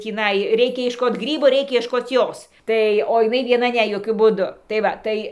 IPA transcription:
tʲiːˈnɐɪ ˈrʲɛɪkʲɛ iɛʃˈkoːt ˈɡrʲiːboː ˈrʲɛɪkʲɛ iɛʃˈkoːt ˈjoːs ˈtɐɪ oː ɪˈnɐɪ ʋʲiɛˈnɐ ˈnʲɛ joːˈkʲʊ buːˈdʊ tɐɪ ˈʋɐ tɐɪ

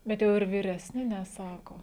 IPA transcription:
bʲɛt ˈjɛʊ ɪr ʋʲɪrʲɛsʲˈnʲɪ nʲɛˈsɑːkoː

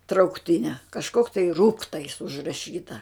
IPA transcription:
trɐʊkˈtʲɪnʲɛ kɐʃˈkoːk tɐɪ ˈruːktɐɪs ʊʒrɐˈʃʲiːtɐ

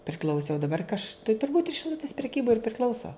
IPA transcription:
pʲrʲɪˈklʲɐʊsʲɪ oː dɐˈbɐr kɐ ɐʃ tɐɪ tʊrˈbuːt ʃʲɪˈlˠʊtʲɪs pʲrʲɛˈkʲiːbɐɪ ɪr pʲrʲɪˈklʲɐʊsoː

